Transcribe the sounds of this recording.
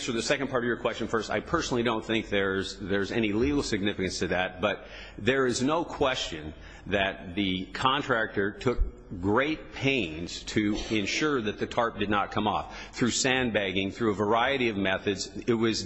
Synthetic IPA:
sə˞ðɨsɛkɨ̃npʰɑɹɾʌvjə˞kʰw̥ɛst͡ʃɨ̃n̩fɜ˞sta̰ɪpʰɜ˞snl̩ˠidõʊ̃nθɪ̃ŋk̚ðə˞zðə˞zɛniliɡl̩ˠsɨɡ̚nɪfɨkɨ̃nstʰɨðɨt̚b̥ʌt̪̚ | ðə˞ɪznoʊkʰw̥ɛst͡ʃɨ̃n | ðɨt̪̚ðɨkʰɑ̃ntʰɹ̥æk̚tə˞tʰʊk̚ | ɡ̥ɹeɪt̚pʰẽɪ̃nz̥tʰɨɪ̃nʃʊɹðɨt̪̚ðɨtʰɑɹp̚d̥ɨdⁿnət̚kʰʌ̃mɔfθɹʉsæ̃nbæɡɪ̃ŋθɹʉəvə˞aɪɨɾiʌvmɛθɨdzɪt̚wʌz

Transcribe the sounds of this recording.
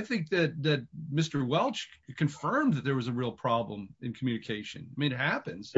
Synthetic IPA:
aɪθɪ̃ŋk̚ðɨt̪̚ðɨt̚mɪstə˞wɛlˠt͡ʃkʰɨ̃ɱfɜ̃˞mðɨt̪̚ðə˞wʌzɨɹilˠpʰɹ̥ɑblə̰̃mɨ̃nkʰmjʉnɨkʰeɪʃɨ̰̃nɪmĩnɨt̚hæpɨ̃nz̥

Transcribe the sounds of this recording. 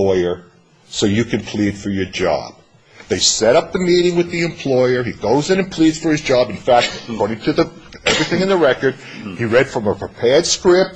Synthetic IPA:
ɔɪə˞ | soʊjɨkʰɨ̃npʰl̥id̥fə˞jə˞d͡ʒɑ̰b̥̚ | ðeɪsɛɾʌp̚ðɨmiɾɪ̃ŋwɨðiɨ̃mpʰl̥ɔɪə˞iɡoʊzɨ̃nɨ̃npʰl̥idz̥fə˞ɨzd͡ʒɑbɨ̃n̩fæk̚tkʰɔɹɾɪ̃ŋtʰɨðɨɛvɹiθɪ̃ŋɨ̃nðɨɹɛkə˞d̥̚iɹɛd̥fɹʌ̃məpʰɹ̥əpʰɛɹd̥skɹɪp̚

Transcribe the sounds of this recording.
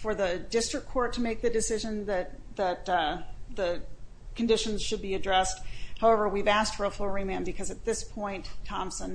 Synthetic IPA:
fə˞ðɨdɪstɹ̥ɨkʰɔɹtʰɨmeɪk̚ðɨdɨsɪʒɨ̃nðɨt̪̚ | ðɨt̪̚ðɨ | kʰɨ̃n̩dɪʃɨ̃n̩z̥ʃɨd̚biɨdɹɛst̚haʊɛvə˞wivæsktfə˞əflɹĩmæ̃nbɨkʰʌzɨt̪̚ðɪspʰɔ̃ɪ̃ntʰːɑ̃msə̃n

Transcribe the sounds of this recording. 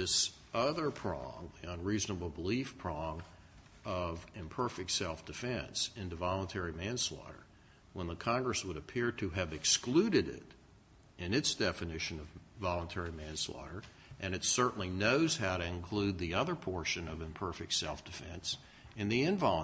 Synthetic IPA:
ðɪs | ʔʌðə˞pʰɹ̥ɔ̰̃ŋðiə̃nɹiznəbl̩ˠbəlifpʰɹ̥ɔ̃ŋ | ʌvɨ̃mpʰɜ˞fɨk̚tsɛlˠfd̥ɨfɛ̃nsɪ̃ntɨvɑlˠə̃ntʰɛɹimæ̃nslɔ̰ɾə̰˞ | wə̃nðəkʰɑ̃ŋɡɹɨswəɾɨpʰɪɹɾɨɨvɨksklʉɾɨɾɪ̰ɾ | ɨ̃nɨtsd̥ɛfɨnɪʃɨ̃nʌvvɑlˠə̃ntʰɛɹimæ̃nslɔ̰ɾə˞ | ʔɨ̃nɨtsɜ˞ʔn̩linoʊz̥haʊɾɨɨ̃nkʰl̥ʉd̪̚ðiʌðə˞pʰɔɹʃɨ̃nʌvɨ̃mpʰɜ˞fɨk̚tsɛlˠfd̥ɨfɛ̃ns | ɨ̃nðiɨ̃nvɑlˠə̃

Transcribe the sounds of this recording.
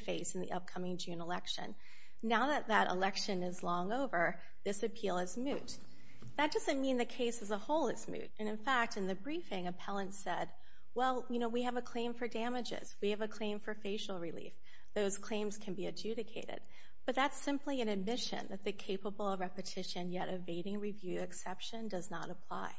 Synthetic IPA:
feɪsn̩ðḭʔʌ̰p̚kʰʌmɪ̃ŋd͡ʒʉ̃nəlɛkʃɨ̰̃nː | aʊðɨt̪̚ðɨɾʔə̰lɛkʃɨ̃nɪzlɔ̃ŋoʊvə˞ | ðɪsɨpʰilˠɨzmʉt̚ | ðɨt̚d̥ʌzɨ̃nmĩnðɨkʰeɪsɨzəhoʊlˠɨzmʉ̰ɾɨ̃nɨ̃nfæk̚tɨ̃nðɨbɹifɪ̃ŋɨpʰɛlˠə̃ntsɛd̚ | wɛlˠjɨnoʊwiɨvɨkʰl̥ẽɪ̃ɱfə˞dæmɨd͡ʒɪ̰z̥wiɨvɨkʰl̥ẽɪ̃ɱfə˞feɪʃl̩ˠɹilḭf | ðoʊz̥kʰl̥ẽɪ̃mz̥kʰɨ̃n̩biɨd͡ʒʉɾɨkʰeɪɾɪ̰d̥̚ | b̥ʌt̪̚ðætsɪ̃mpliɨ̃nɨd̚mɪʃɨ̰̃nðɨt̪̚ðɨkʰeɪpəbl̩ˠʌvɹɛpɨtʰɪʃɨ̃njɛɾɨveɪɾɪ̃ŋɹivjʉɨksɛpʃɨ̃ndʌznəɾəpʰl̥a̰ɪ

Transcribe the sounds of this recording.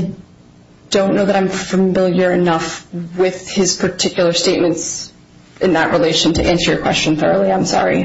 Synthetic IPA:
d̥õʊ̃nːoʊðəɾãɪ̃ɱfəmɪlˠjə˞ɨnʌfwɪð̥ɪz̥pʰə˞tʰɪkjl̩ˠə˞steɪt̚mɨ̃nts | ʔɨ̃nðə̰ʔ̚ɹʔileɪʃɨ̃n̩tʰɨʔæ̃nsə˞jə˞kʰw̥ɛ̰st͡ʃɨ̃nθɜ̰˞oʊlˠiãɪ̃msɑ̰ɹḭ

